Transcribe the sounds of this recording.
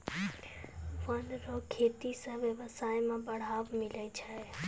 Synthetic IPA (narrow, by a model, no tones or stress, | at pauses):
ʋənɾokʰeːt̪isãʋeʋəsaːemãbəɽ̤aːʋmɪləit͡ʃʰae